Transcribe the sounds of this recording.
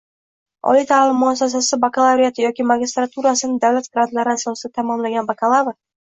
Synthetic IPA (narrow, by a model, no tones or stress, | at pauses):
ɒ̰lijt̪ʰalɪmːʊasːas̬asɪbakalˠavɾijat̪ʰɪjɒkʲɪmaɡʲist̪ɾat̪ʰuɾasɪnɪd̪avlat̪ɡɾad̪laɾɪasɒsɪd̪at̪ʰamɒmlaɡʲanbakʰalˠavɾ